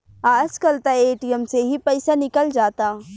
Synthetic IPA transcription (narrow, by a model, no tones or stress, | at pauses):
aːskɐlt̪aeːʈijəmseɦipɛɪsanɪkəld͡ʒaːt̪a